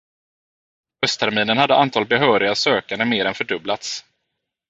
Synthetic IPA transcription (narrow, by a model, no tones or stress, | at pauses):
hœst̪ʰæɾmiːnənhad̪ːəʔant̪ʰɑːlbɛɦœːɾɪɡasøːkand̪əmeːɾɛnfœɖɵblat̪s